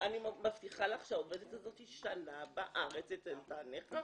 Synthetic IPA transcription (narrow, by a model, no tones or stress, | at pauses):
animaft̪iχalaχʃaovedetkazo̞t̪iʃanabaʔaʁet͡set̪entaneχa